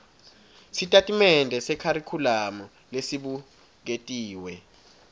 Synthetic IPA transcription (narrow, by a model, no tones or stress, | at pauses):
sitʼatʼimɛndʱɛsɛkʰaɾikʰulamɔ | lesiɓu | k̬etʼiːwɛ